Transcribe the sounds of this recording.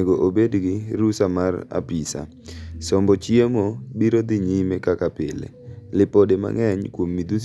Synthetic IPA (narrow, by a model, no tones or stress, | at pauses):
ɡoʔobedɡɪɾusamara̰pisa̰ | sɔmbɔt͡ʃjemobiɾod̪ɪɲimɛkakapɪlḛlɪpodema̰ŋɛɲkwomːid̪us